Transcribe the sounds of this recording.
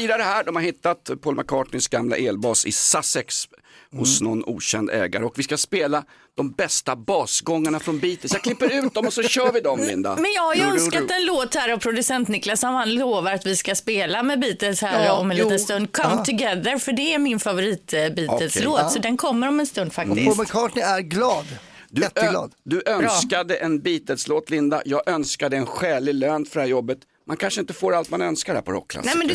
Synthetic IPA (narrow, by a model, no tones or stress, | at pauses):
iːd̪aɾəɦæːɖɔmhaɾhɪt̪ːat̪pʰɔlmakʰɑːʈɳɪnsɡamla̰ʔeːlbɑːsɪ̰sasɛkshʊsnɔ̰nṵːɕɛ̰nd̪ɛ̰ːɡa̰ɾəɔkvɪskaspeːla | d̪̥ɔmbɛst̪abɑːsɡɔŋːaɳafɾɔnbiːt̪əlsjaklɪpːəɾʉ̟ːt̪̚d̪ɔmɔsɔɕœːɾvɪd̪ɔmlɪ̰nd̪a̰mɛnjɑːhaɾjɵnskaɛnloːt̪hæːɾavpʰɾʊd̪ɵsɛnt̪nɪklasɔmhanloːvaɾat̪vɪskaspeːlamɛbiːt̪əlshæːɾɔmɛnit̪ənst̪ɵnd̪̚kʰamt̪ʰʊɡɛðəɾfœɖɛæɾmɪnfavʊɾiːt̪biːtəlsloːt̪sɔd̪ɛnkʰɔmːəɾɔmɛnst̪ɵnd̪fakt̪ɪ̰sməkʰɑːʈnɪæɾɡlɑːd̪ | d̪ɵɛt̪ːlɑ̰ːd̪d̪ɵʔœnskad̪əʔɛnbiːt̪əlsloːt̪lɪnd̪a̰jɑːɡʔœnskad̪əɛnɧɛːlɪløːnfœɖɛhæɾjɔbːət̪ | mankʰanʂəɪnt̪əfoːɾalt̪manœnskaɾɖhæ̰pʰɔɾɔ̰kʰːla̰nɛmɛnd̪